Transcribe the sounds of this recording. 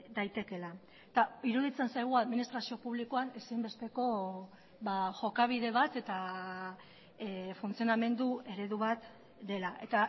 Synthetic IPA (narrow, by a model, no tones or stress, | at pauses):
d̪ajt̪e̞ke̞la | t̪aiɾuð̞it͡se̞nsajɣ̞uaðminist̪ɾasio̞puβ̞likoanesimbe̞st̪e̞ko̞ | βaʝo̞kaβ̞iðe̞β̞at̪e̞t̪a | funt͡sioname̞nd̪ue̞ɾe̞ðuβat̪ | d̪e̞laʔe̞t̪a